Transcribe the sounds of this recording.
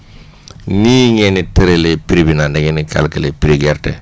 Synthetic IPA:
niɲɛniteɾelepiɾibinandɛɡɛnika̰lkɛlepiɾiɡɛɾtɛ

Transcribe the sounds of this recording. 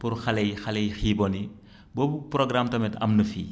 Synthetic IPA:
purxɐlɛjxɐlɛjxiːbɔni | boːbuprɔɡɾamtɐmɛtɐ̰mnɐfḭː

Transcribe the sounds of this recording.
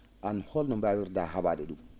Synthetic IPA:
ʔanhɔlnɔmbawiɾdaɦabaːdɛɗum

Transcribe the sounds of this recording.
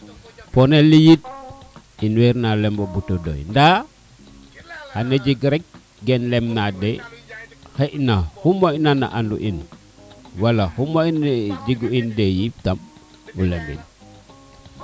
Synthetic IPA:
ponelːijit̚ | inweɾnalembobutodo̰jnda | haned͡ʒiɡɾek̚ | ɡɛnlemnade | heʔinahumoinana̰ʔandṵʔin | walahumoind͡ʒiɡuindejip̚tam | ulembḛɲ

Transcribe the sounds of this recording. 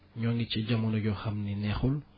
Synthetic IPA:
ɲɔŋɡit͡ʃiɟamunɐɟɔxɐmninɛxul

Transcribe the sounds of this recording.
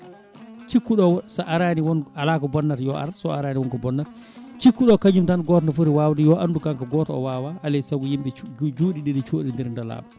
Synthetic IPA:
t͡ʃikːuɗɔsʔaɾaniwɔnalakɔbɔnːatjɔa̰ɾsɔaɾaniwɔnkɔbɔnːat | t͡ʃikːuɗɔkaɲd͡ʒumtanɡɔːtɔnafuɾiwawdijɔʔandukaŋkaɡɔːtɔɔ̰waːwaalɛsaɡujimɓɛd͡ʒuːɗiɗiɗit͡ʃoːɗindiɾndala̰ːba

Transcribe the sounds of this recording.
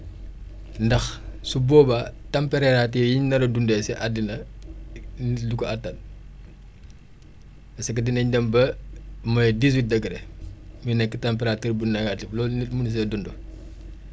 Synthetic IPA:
ndɐxsubɔːbatɐmpɛɾɛɾatijiɲnɐɾɐdundɛːsɛʔadːinɐ | nitdukɔatːɐn̚ | ɐsɐkːɐdinɐɲdɐmbɐmɐdis̬wit̚dɐɡɾɛmujnɛkːitɐmpɛɾaːiɾbunnɐɡatiflɔːlnitmuns̬ɛdundo

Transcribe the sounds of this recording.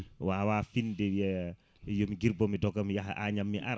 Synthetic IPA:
wawafindewia | jomiɡiɾbɔmidɔkamjaɦaʔaɲamːiʔaɾ

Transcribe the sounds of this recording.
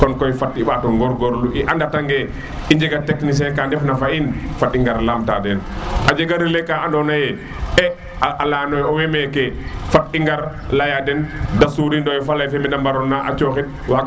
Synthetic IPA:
kɔnkɔjfatiɓaːtɔŋɡɔɾɡɔɾluʔiʔandataŋɡɛ | iɲd͡ʒɛɡatɛknis̬ɛkandɛfnafainfatiŋɡaɾlaːmta̰ːdɛnʔad͡ʒɛɡaɾilɛkaʔandɔnajɛ | ɛ | aʔalaːnɔjɔwɛmɛkɛfat̚iŋɡaɾ | lajadɛndasuɾindɔjfalajfɛmɛdambaɾɔnːaʔa̰t͡ʃɔːxit̚wak

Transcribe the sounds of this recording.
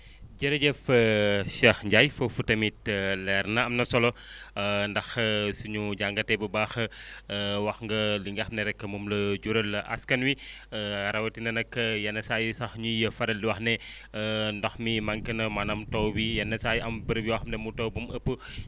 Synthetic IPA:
ɟɐɾɐɟɐfəʃɐxɲɟajfɐfutɐmit̚lɛɾnɐɐmnɐsɔlɔ | ndɐxsuɲuɟaŋɡɐtɛbɐbaːxɐ | wɐxŋɡɐliŋɡɐxmnɐɾɛkːɐmumlɐd͡ʒuɾɐlɐʔɐ̰skɐnwi | ɐɾɐwɐtinɐnɐkːɐjɐnːɐsajusɐxɲujɐfɐɾɐliwɐxnɛ | ndɔxmimɐŋkɐnɐmɐnɐmtɔwwijɐnːɐsaːjʔɐmbəɾbiwaxmnɛmutɔwbuməpːə

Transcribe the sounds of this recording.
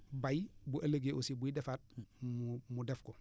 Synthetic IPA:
bajbuʔɐləɡeːʔosibuidɛfat̚mmudɛfkɔ

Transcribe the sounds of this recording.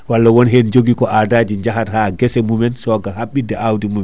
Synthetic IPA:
walːawɔnɦend͡ʒoɡikɔadad͡ʒiɲd͡ʒaɦathaːɡɛsɛmumɛnsɔɡahaɓːidɛawdimumɛ

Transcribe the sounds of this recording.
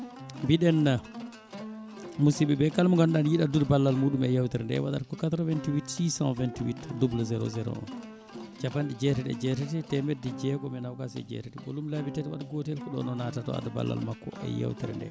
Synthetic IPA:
mbiɗɛnːa | musiɓɛbɛkalmuŋɡanɗanjiɗadudbalːalmuɗumɛjawtiɾndɛ̰waɗa̰ɾkɔkat̪ɾɔvɛntiwitsisã̰nvɛntiwitdublzɛɾo̰zɛɾo̰ɔ̰n | t͡ʃapanɗid͡ʒɛtɛtɛ̰d͡ʒɛtɛtɛtɛmɛdːɛd͡ʒɛkɔmɛnawkasɛ̰d͡ʒɛ̰tɛtɛbo̰lumlabitɛtɛwa̰ɗɡɔtɛlkɔɗɔ̰nɔnatatɔ̰a̰daba̰lːa̰lmakːɔ̰ʔɛ̰ja̰wtiɾɛ̰ndɛ̰

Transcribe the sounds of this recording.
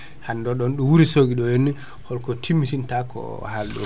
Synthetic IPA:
handɔɗɔnɗuwuɾisoɡiɗɔjenːi | hɔlkɔtʰimːisintakɔ̰ | halɗɔ

